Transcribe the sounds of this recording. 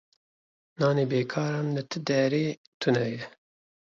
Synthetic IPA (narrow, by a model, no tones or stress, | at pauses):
nɑːneːbeːkʰɑːɾɑːnlɨt̪ʰɨd̪ɛɾeː | t̪ʰunɛjɛ